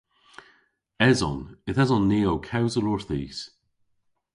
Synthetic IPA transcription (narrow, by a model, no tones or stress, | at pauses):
ɛzɔ̰nɪθɛzɔnːiːowkʰawzəlɔɹθḭːs